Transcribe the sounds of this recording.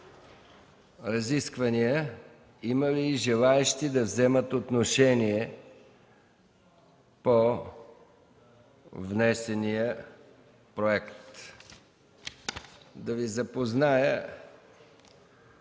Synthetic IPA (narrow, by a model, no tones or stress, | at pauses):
ɾɐziskvɐnijə | iməliːʒɛlˠaɛʃt̪id̪ɐvzɛmət̪ot̪noʃɛniɛ | po | vnɛsɛnijə | pɾoɛkt̪ | d̪ɐvizɐpoznajə